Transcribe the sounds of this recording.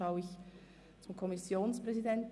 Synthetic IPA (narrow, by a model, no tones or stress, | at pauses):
aʊɪç | t͡sʊmkʰɔmisjoːnspʁ̥ɛzidɛnt